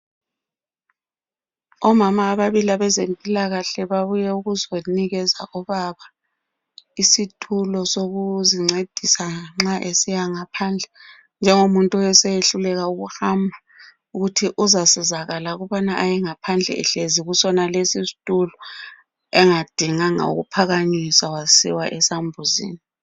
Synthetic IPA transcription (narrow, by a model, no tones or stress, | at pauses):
ɔmamaːβaβilaβɛzempʼilaɣaɬɛβaβujɛuɣuzoniɣɛza̰ʔɔβaβa | isitʼʰulɔsoɣuziŋ͡ǀed̥ʱisaŋ͡ǁaʔesijaŋapʰand͡ɮʱɛ | nd͡ʒʱɛŋomuntʼuɛsɛjeɬulɛɣauɣuhambʱa | uɣutʰiʔuzasɛzaɣalaɣuβanaʔajɛŋapʰand͡ɮʱɛ̰ɛ̰ɬeziɣusɔnalesistʼulɔ | ɛŋad̥ʱiŋaŋa̰ṵɣṵpʰaɣaɲisawasḭwaʔɛsambʱuzḭːni